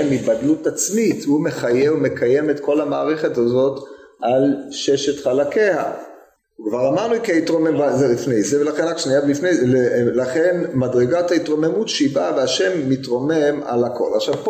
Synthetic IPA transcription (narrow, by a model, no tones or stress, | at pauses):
mibadlutat͡smithume̞χajeume̞kʰajemet̪ko̞lamaːʁe̞χe̞tazo̞t | alʃeʃetχalakeha̰ | kvaʁamaʁnukeitʁomembazelifnejzevelaχenʁakʃniabifneelaχe̞nmadʁeɡathaitʁo̞me̞mutʃibaveaʃe̞mːitʁo̞me̞ma̰lakʰo̞̰laχʃavp